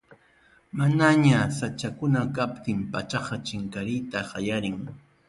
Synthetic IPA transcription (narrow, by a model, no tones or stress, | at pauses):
manaɲasat͡ʃakʊnakapt̪ɪmpat͡ʃɑqɑt͡ʃɪŋkaɾɪjt̪aɢɑjaɾɪŋ